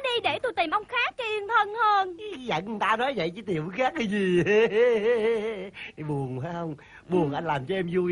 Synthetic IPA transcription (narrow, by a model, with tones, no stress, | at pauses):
ɗi˧ɗe˧˩t̪u˧jt̪i˨˩mʔə˧wŋ͡mxaː˦˥k̚ːi˧ənt̪ʰə˧nhəː˧n˨˧za̰˧˩˦ŋɨ˨˩ŋt̪aː˧nɔ˨˦jzə̰˧˨jt͡ɕɨ˧˦t̪i˨˩əmvu˨˦xaː˦˥k̚ːa˨˦zi˨˩e˧˦i˨˩ɓu˨˩ənha˨˦jhə˧wŋ͡m | ɓu˨˩ənʔa˧jŋ̟laː˨˩mt͡ɕɔ˧ʔɛ˧mzu˧j